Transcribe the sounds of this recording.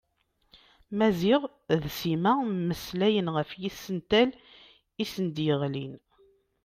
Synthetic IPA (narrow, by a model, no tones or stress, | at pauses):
mæziʁ | ðsimæməslæjənʁəfjisːənt̪æl | isənd̪jəʁlḭn